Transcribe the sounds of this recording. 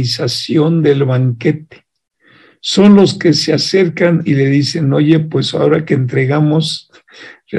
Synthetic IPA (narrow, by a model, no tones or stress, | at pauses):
isasjo̞nd̪e̞lβaŋke̞t̪e̥ | so̞nlo̞ske̞sease̞ɾkanile̞ðise̞no̞ʝe̞pwe̞sa̰o̞ɾakeːnt̪ɾe̞ɣamo̞s | re